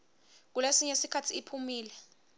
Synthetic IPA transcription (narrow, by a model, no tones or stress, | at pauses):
k̬ulesiɲesikʰatʰiːpʰumiːlɛ